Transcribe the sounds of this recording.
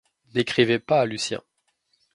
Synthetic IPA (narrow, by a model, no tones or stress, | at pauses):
nekχivɛpaːlysjɛ̰̃